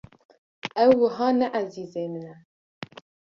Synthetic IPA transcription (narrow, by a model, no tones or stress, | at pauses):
ʔɛwːəɦɑːnɛʔæziːzeːmɨnɛ